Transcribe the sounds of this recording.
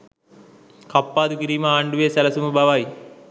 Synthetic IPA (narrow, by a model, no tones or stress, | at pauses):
kɐpːaːd̪ukiɾiːmɐaːɳɖuʋeːsɐlɐsumɐbʱɐʋaːji